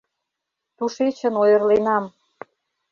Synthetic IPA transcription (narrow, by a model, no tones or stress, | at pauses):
t̪uʃet͡ɕə̆nojə̆rlenɑm